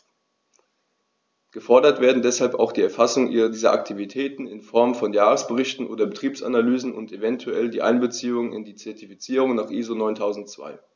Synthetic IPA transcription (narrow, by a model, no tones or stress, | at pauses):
ɡ̥əfɔɐdɐtv̥eːɐdn̩dɛshalpa̰ʊxd̥iːɛɐfasʊŋʔiːʁɐdiːzɐ̰ʔa̰ktʰivitʰɛːtn̩ɪnfɔɐmfɔnjaːʁəsb̥əʁɪçtn̩ʔo̰ːdɐbətʁ̥iːpsa̰nalyːzn̩ʊ̰ntevɛntʰuɛldiːʔaɪnbət͡siːʊŋənɪ̰ndiːt͡sɛɐtifit͡siːʁ̞ʊŋnaːχʔiːzonɔʏntʰaʊzn̩tt͡sv̥a̰ɪ